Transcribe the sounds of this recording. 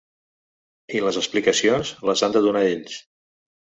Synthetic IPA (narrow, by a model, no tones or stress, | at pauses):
iləzəsplikəsionzləzand̪əðunaeʎs